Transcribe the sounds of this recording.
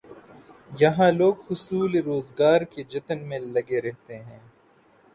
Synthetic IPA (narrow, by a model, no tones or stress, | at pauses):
jɐɦãloːɡhʊsuːleɾoːzɡaːɾked͡ʒɐt̪ənmẽlɐɡeɾɛɦt̪eɦɛ̃ː